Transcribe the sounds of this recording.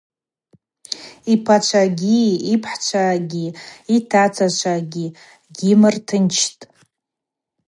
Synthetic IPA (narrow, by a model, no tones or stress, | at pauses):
ipʰat͡ʃʷʰaɡʲiːpʰħt͡ʃʷʰaɡʲiitʰat͡sʰat͡ʃʷʰaɡʲi | ɡʲimɨrtʰɨnt͡ʃʰtʼ